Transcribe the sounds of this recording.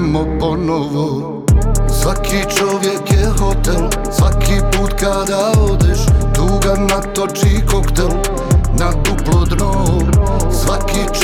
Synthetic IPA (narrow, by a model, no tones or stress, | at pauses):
moponoʋo | sʋakʰit͡ʃoʋjekjexot̪ɛlsʋakʰipuːt̪kad̪aod̪eʃt̪uːɡanat̪ot͡ʃikokt̪ɛl | nat̪uplod̪no | sʋakit͡ʃ